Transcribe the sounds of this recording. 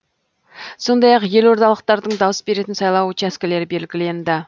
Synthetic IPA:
so̞nd̪ɑjɑqje̞lo̞ɾt̪ɑlˠəq̚t̪ɑɾd̪əɴd̪ɑwəsbe̞ɾe̞t̪ɪnsɑjlˠɑwət͡ʃæskʲɪle̞ɾɪbe̞lɡʲɪle̞nd̪ɪ

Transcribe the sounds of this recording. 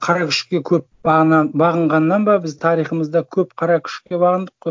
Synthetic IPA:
qʰɑɾɑkʲʰɪ̥ʃkʲe̞kʲʰɵp̚bɑʁənɑnbɑʁəɴʁɑnːɑnbɑbɪzt̪ʰɑɾijχəməzd̪ɑkʲʰɵpqʰɑɾɑkʲʰɪ̥ʃkkʲe̞bɑʁənd̪əqːoj

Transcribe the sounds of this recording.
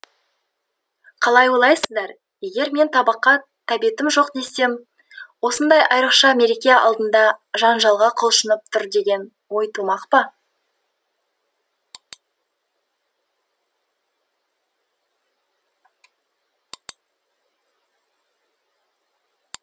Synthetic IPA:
qʰɑlˠɑjwolˠɑjsəzd̪ɑɾ | je̞ɡʲe̞ɾme̞nt̪ʰɑbəqːɑ | t̪ʰæbiet̪ɪmʒo̞qd̪e̞se̞m | wo̞sənd̪ɑjʔɑjɾəqʃɑme̞ɾekʲejɑʔɑ̰lˠd̪ənd̪ɑʒɑnʒɑlˠʁɑqʰolˠʃənəp̚t̪ʰʊɾd̪e̞ɡʲe̞n | wo̞jt̪ʰumɑqpə

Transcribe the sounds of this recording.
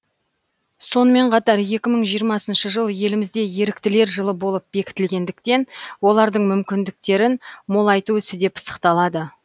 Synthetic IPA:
so̞nəme̞ɴqʰɑt̪ɑɾje̞kʲɪməɴʒijəɾmɑsənʃəʒəlˠje̞lɪmɪzd̪e̞je̞ɾɪk̚t̪ɪle̞ɾʒəlˠəbo̞lˠəp̚be̞kʲɪ̥t̪ɪlɡʲe̞nd̪ɪkt̪e̞nwo̞lˠɑɾd̪əɴmʏmkʲɪnd̪ɪk̚t̪e̞ɾɪnmolˠɑjt̪uʏsɪd̪e̞pʰə̥sə̥qt̪ɑlˠɑd̪ə

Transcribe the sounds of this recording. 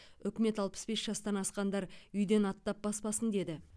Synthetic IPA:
ʏkʲɪme̞t̪ɑlˠpə̥sbe̞sʒ̥ɑst̪ɑnɑsqɑnd̪ɑɾʏjd̪e̞nɑt̪ːɑp̚bɑspɑsənd̪e̞d̪ɪ

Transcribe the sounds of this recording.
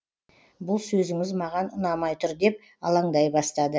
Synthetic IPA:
bʊlˠsɵzɪŋɪzmɑʁɑnʊnɑmɑjt̪ʰʊɾd̪e̞p̚ | ɑ̰lˠɑŋd̪ɑjbɑst̪ɑd̪ə

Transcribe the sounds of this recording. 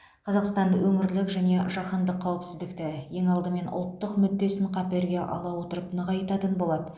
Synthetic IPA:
qʰɑzɑqst̪ɑnwɵŋɪɾlɪkʒæne̞ʒɑqɑnd̪əqʰːɑwəpsɪzd̪ɪkt̪ɪje̞ŋɑlˠd̪əme̞nʊ̰lˠt̪ːəqmʏd̪ːe̞sɪɴqʰɑpeɾɡʲe̞ʔɑ̰lˠɑwo̞t̪əɾəpnəʁɑjt̪ɑt̪ənbo̞lˠɑd̪ə

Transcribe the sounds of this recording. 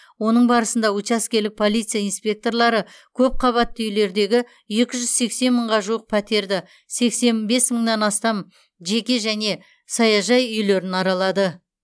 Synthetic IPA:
wo̞nəɴbɑɾəsənd̪ɑwut͡ʃɑskʲe̞ɾlɪk̚pʰo̞lˠijt̪sɨjainspʲe̞k̚t̪o̞rlˠɑɾəkʲʰɵp̚qʰɑβɑt̪ːəʏjle̞ɾd̪e̞ɡʲɪ | je̞kʲɪʒʏz̥se̞kse̞nməɴʁɑʒuwəq̚pʰæt̪e̞ɾd̪ɪ | se̞kse̞nbe̞sməɴnɑnɑst̪ɑm | ʒe̞kʲe̞ʒæne̞ | sɑjɑʒɑjʏjle̞ɾɪnɑɾɑlˠɑd̪ə

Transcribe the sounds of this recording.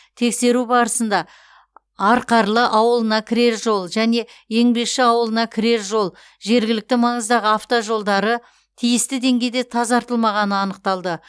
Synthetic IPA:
t̪ʰe̞kse̞ɾubɑɾəsənd̪ɑ | ɑɾqɑɾlˠəʔɑwəlˠənɑkʲʰɪɾe̞ɾʒo̞lˠʒæne̞e̞ŋbe̞kʃɪɑwəlˠənɑkʲʰɪɾe̞ɾʒo̞lˠ | ʒe̞ɾɡʲɪlɪk̚t̪ɪmɑɴəzd̪ɑʁəaft̪oʒo̞lˠd̪ɑɾə | t̪ʰijɪst̪ɪd̪e̞ŋɡʲe̞jd̪e̞t̪ʰɑzɑɾt̪əlˠmɑʁɑnəɑnəq̚t̪ɑlˠd̪ə

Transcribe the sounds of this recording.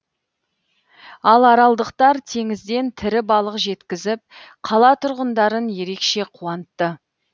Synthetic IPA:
ɑlˠɑɾɑlˠd̪əqt̪ɑɾt̪ʰe̞ŋɪzd̪e̞nt̪ʰɪɾɪbɑlˠəqʒe̞t̪kʲɪzɪp̚ | qʰɑlˠɑt̪ʰʊɾʁənd̪ɑɾənje̞ɾe̞kʃe̞qʰuɑnət̪ːə

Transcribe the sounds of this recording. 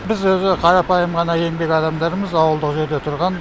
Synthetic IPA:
bɪzwɵzɪqʰɑɾɑpɑjəmʁɑnɑje̞ŋbe̞kʲɑd̪ɑmd̪ɑɾəməzɑwəlˠd̪əqʒe̞ɾd̪e̞t̪ʰʊɾʁɑn

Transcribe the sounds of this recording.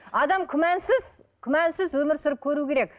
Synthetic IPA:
ɑd̪ɑmkʲʰɪmænsɪz̥ | kʲʰʏmænsɪzwɵmɪɾsʊɾəp̚kʲʰɵɾukʲʰe̞ɾekʲ

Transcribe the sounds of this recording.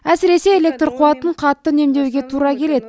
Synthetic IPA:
æsɪɾe̞se̞ːlʲek̚t̪rqʰuɑt̪əɴqʰɑt̪ːəne̞md̪e̞wɡʲe̞t̪ʰuɾɑkʲʰe̞le̞d̪ɪ

